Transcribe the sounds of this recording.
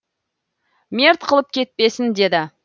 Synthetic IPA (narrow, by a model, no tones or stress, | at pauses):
mʲeɾt̪qʰəlˠəp̚kʲʰe̞t̪̚pe̞sɪnd̪e̞d̪ɪ